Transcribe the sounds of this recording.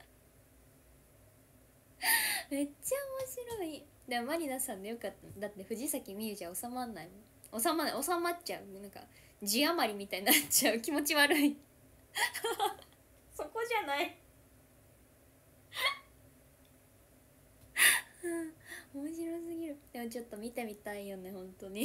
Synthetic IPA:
me̞t͡ɕaomo̞ɕiɾo̞i | d̪amaɾʲinasãnd̪ejokat̪ːad̪at̪ːe̞ɸɯ̟ʑisakʲimʲiɯ̟ʑaosamãnːaimõ | osamanːa̰osamatt͡ɕaɯ̟nãŋka̰ | d͡ʑiamaɾʲimʲit̪aɲinnatt͡ɕaɯ̟kʲimo̞t͡ɕiβaɾɯ̟i | so̞ko̞ʑanai | ɯ̃omoɕ̬iɾo̞s̬ɨɡʲiɾɯ̟d̪̥e̞mo̞t͡ɕo̞t̪ːo̞mʲit̪e̞mʲit̪aijo̞nehõ̞nt̪o̞ɲ̟i

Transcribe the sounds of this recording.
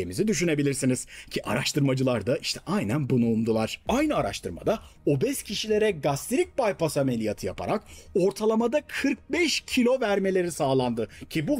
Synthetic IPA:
emizid̪yʃ̬yne̞bilʲiɾsiniz̥cʰiʔa̰ɾaʃt̪ʰɯɾmad͡ʒɯlˠaɾd̪aʔiʃt̪ʰɛʔajnænbunuːmd̪ulˠaɾ̥ajnɯaɾa̰ʃt̪ʰɯɾma̰d̪a | o̞bɛscʰiʃilʲe̞ɾɛɡast̪ʰeɾic̚bajpʰasame̞lʲijat̪ʰɯja̰pʰa̰ɾako̞ɾt̪ʰalˠamad̪akʰɯɾk̚bɛʃcʰilʲo̞væɾme̞lʲe̞ɾisaːlˠand̪ɯcʰibu

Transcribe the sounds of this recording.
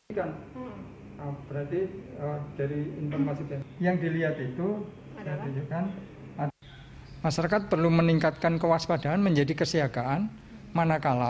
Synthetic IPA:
kan | əb̥əɾart̪iəd̥aɾiinfɔrmasit̪ajaŋdiliɦat̪it̪u | saat̪ud͡ʒukan | a | maʃaɾakat̪̚pərluməniŋkat̪̚kankəwaspad̥aanməɲd͡ʒadikəsiaɡaʔan | manakala

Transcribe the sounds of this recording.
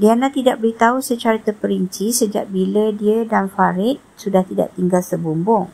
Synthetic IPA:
dianãt̪idaʔ̚bəɾit̪ausət͡ʃaɾət̪əpəɾiɲt͡ʃisəd͡ʒa̰ʔ̚bilədiədanfaɾɪt̪̚sudaht̪ida̰ʔt̪iŋɡalsəbumbʊŋ

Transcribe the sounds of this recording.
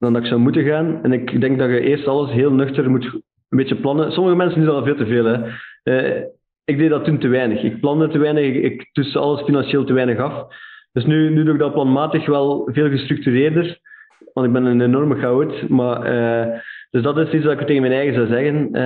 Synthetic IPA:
dɑndɑɪksɔwmutənɣaːnɛnɪkdɛŋɡ̚dɑxəʔeːrstɑlˠəsɦeːlˠnɵxtərmut | əmbeːt͡ʃəplɑnənsɔməɣəmɛnsənduveːlˠtəveːlˠɛə | ɪɡ̚deːdɑtːuntəʋɛjnəxɪk̚plɑndətəʋɛːjnəxɪɪ̰ktusəɑ̰lˠəsfinɑnʃeːlˠtəʋɛːnəxɑfd̥ɵsnynyːduːɪɡ̚dɑplɑnmaːtəxʋɛlˠveːlˠɣəstɾʉk̚tyɾeːrdər | wɑ̃ntɪɡ̚bɛnənenɔrməxaotmaːəd̥ɵzdɑtɪstits̬wɑɪktːeːɣənmɛːnɛːɣənzɑwzɛɣən

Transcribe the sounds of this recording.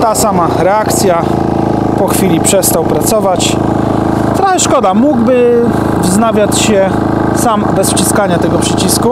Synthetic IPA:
t̪asamaɾɛakt̪sʲja | pɔxfʲilʲipʂɛst̪awpɾat̪sɔvat͡ɕ | t̪ɾaxɛʂkɔd̪amuɡbɘ | vznavʲjat͡ɕɕɛ | sambɛsft͡ɕiskaɲat̪ɛɡɔpʂɘt͡ɕisku

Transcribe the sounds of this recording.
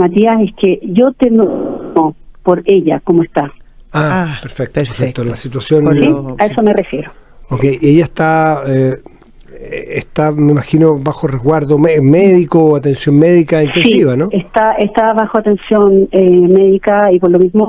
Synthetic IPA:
mat̪iasehkeʝot̪enopoɾeʎa̰komoest̪aaapeɾfek̚t̪oef̚t̪olasit̪wasjonsiaesomerefjeɾookejiejaest̪ae | est̪ameimaxinoβaxoreɣwaɾðomemeðikoat̪ensjo̞nmeðikaint̪esisiβanoest̪aʔeht̪aβaxoat̪e̞nsjonemeðikaipoɾlomizmo

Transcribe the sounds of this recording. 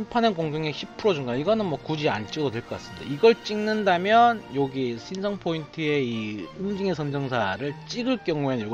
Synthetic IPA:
mpʰanɯnkoŋɡjoŋeçʰipʰɯɾod͡ʑuŋɡaiɡʌnɯnmwʌkud͡ʑia̰nt͡ɕ͈iɡɯdotwe̞ɭk͈ʌk͈as͈ɯndḛiɡʌɭt͡ɕ͈iŋnɯndamjʌnjoɡiɕʰinsʰʌŋpʰointʰɯeiɯmd͡ʑiŋe̞sʰʌnd͡ʑʌŋsʰaɾɯɭt͡ɕ͈iɡɯɭk͈jʌŋuenjoɡ

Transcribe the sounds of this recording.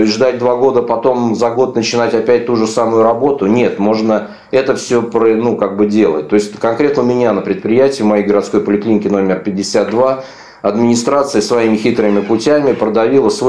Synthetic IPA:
oʐd̪at̚ʲd̪vaɡo̞d̪əpɐt̪o̞mzɐɡo̞t̪nət͡ɕɪnatʲɐpʲæt̚ʲt̪uʐɨsamʊjʊɾɐbo̞t̪ʊnʲe̞t̪mo̞ʐnə | ɛt̪əfsʲɵpɾənukaɡ̚bɨdʲe̞lˠə̰t̚ʲt̪ːo̞ɪsʲt̚ʲkɐnkɾʲe̞t̪nəmʲɪnʲanəpɾʲɪt̪̚pɾʲɪjætʲɪəvmɐjejɡəɾɐt̪sko̞jpəlʲɪklʲinʲɪkʲɪno̞mʲɪrpʲɪdʲːɪsʲat̪̚d̪va | ɐd̪mʲɪnʲɪst̪ɾat̪sɨjəsvɐimʲɪxʲit̪ɾɨmʲɪpʊtʲæmʲɪpɾəd̪ɐvʲilˠəsvo

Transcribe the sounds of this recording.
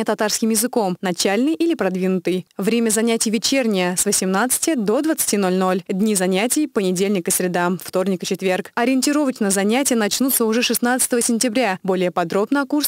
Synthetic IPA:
t̪ɐt̪arskʲɪmjɪzɨko̞mnɐt͡ɕælʲnɨjʔilʲɪpɾɐd̪vʲinʊt̪ɨjvɾʲemʲəzɐnʲætʲɪjvʲɪt͡ɕernʲɪjəsvəsʲɪmnat̪sɨ̥tʲɪd̪o̞d̪vət̪sɨ̥tʲino̞lʲno̞lʲdʲnʲizɐnʲætʲɪjpənʲɪdʲelʲnʲɪkəsʲɾʲɪd̪amft̪o̞rnʲɪkɨt͡ɕɪt̪vʲe̞rkɐɾʲɪɪnʲtʲɪɾo̞vət͡ɕʲnəzɐnʲætʲɪjənɐt͡ɕnut̪səʊʐɛʂɨsn̪at̪sɨ̥t̪əvəsʲɪnʲtʲɪbɾʲabo̞lʲɪjəpɐd̪ɾo̞bnəɐkurs

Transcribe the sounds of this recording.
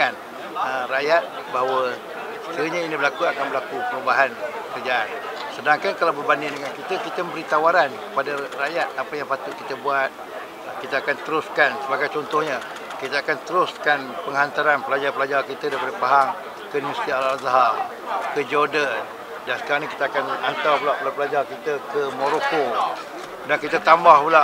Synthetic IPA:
an | ərajat̪̚ | bawə | sə̥kəəɲãinibəlakuakanbəlakupəɾubaɦankəɾəd͡ʒaansədaŋkankalawbərbandɪdəŋankit̪əkit̪əməmbəɾit̪awaɾankə̥padarajat̪̚apəjaŋpat̪ʊt̪̚kit̪əbuat̪̚ | kit̪aakant̪əɾʊskansəbaɡajt͡ʃɔnt̪ʊhɲa | kit̪əakant̪əɾʊskanpəŋɦant̪aɾanpəlad͡ʒarpəlad͡ʒarkit̪ədapəɾəpaɦaŋ | kəniməsi̥t̪ialazaɦa | kəd͡ʒodən | daŋsə̥kaɾaɲaki̥t̪əakanant̪awpəlaʔpəlapəlad͡ʒarkit̪əkəmoɾoko | daŋkit̪ət̪ambahpula

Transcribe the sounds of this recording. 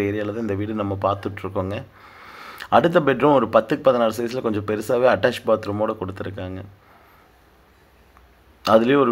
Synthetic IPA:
eːɾɪjaːlɐðãːɪnd̪ɐʋiːɽɯnɐmːɐpaːɾt̪ɯʈːɾɯkːoːŋɡɐ | ɐɽɯt̪̬ːɐpɛʈɾʊ̃mɔɾɯpɐt̪ːɯkːpɐðɯnaːlsɐjɪs̬ɪlɐkɔɲd͡ʒɔ̃pɛɾɯsaːʋeːɐʈːaːʂbaːt̪ɾɯmoːɽɐkɔɽɯt̪ːɪɾɯkːaːŋɡɐ | ɐðɪlɐjʊ̃ɔɾɯ

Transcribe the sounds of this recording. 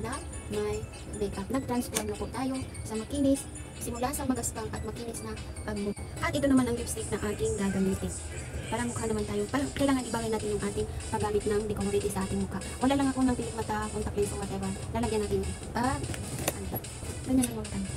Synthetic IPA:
namɐj | mɛkak̚nɐɡ̚t̪ɾanspɛmnapoʔt̪aːjo̞sɐmɐkiːnɪsː | ɪmʊlasɐŋmɐɡɐsp̪aŋʔɐt̪̚mɐkiːnɪsnɐpɐɡ̚mʊkʔɐt̪ɪt̪onɐmanʔɐŋlist̪ɾip̚nɐŋʔaːt̪ɪŋɡaːɡɐmiːt̪ɪn | paːɾɐmʊkanɐmant̪aːjopaːɾakɐjlaːŋɐnʔɪbaːɡɐjnaːt̪ɪnjʊŋʔaːt̪ɪŋpɐɡaːmɪt̪̚nɐŋd̪ɪkomoɾit̪ɪsɐʔaːt̪ɪŋmʊkaʔwʔɐlaːlɐŋɐko̞nɐŋpɪlɪɡ̚mɐt̪amɐŋt̪ɐklansɐŋmat̪abanlalɐɡjanaːt̪ɪn | pa | at̪a | ɡɐɲanlɐŋmɐɡat̪an

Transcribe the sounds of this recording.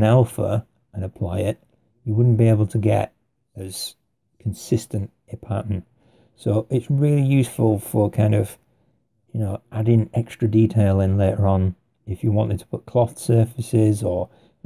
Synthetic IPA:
nɛlˠfə̰ | ə̃nəpʰl̥aɪɪʔ | jəwʊdⁿn̩b̥ieɪbl̩ˠtʰəɡɛ̰t | ɨz̥ | kʰn̩sɪstə̃nt | ɨpʰɑ̰ɹʔmə̃nt | soʊʔɪtsɹɪːlˠijʉsfəl̩ˠfə˞kʰãɪ̃ndʌv̥ | jɨnoʊʔaɾɪ̃ŋɛkstɹ̥ɨditʰeɪlˠɪ̃nleɪɾə˞ə̃n | ɪfjəwɑ̃ntɪd̚tʰə̥pʰʊʔ̚kʰl̥ɒθsɜ˞fɨsɪzə˞

